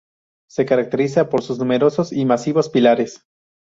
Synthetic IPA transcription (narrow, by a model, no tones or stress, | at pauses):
se̞kaɾak̚t̪e̞ɾis̬apo̞ɾsuznume̞ɾo̞so̞simasiβo̞spilaɾe̞s